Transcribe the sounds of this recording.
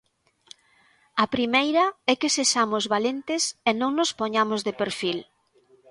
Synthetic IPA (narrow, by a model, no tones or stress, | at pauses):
ɐpɾimejɾɐɛkɪseʃamʊzβalent̪ɪsenõŋnʊspoɲamozðepeɾfil